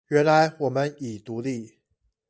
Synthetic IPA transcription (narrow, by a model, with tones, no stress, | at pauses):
ɥɛ˧˥nla˧˦ɪwɔ˨˩mə˦ni˨˩t̪u˧˥li˥˩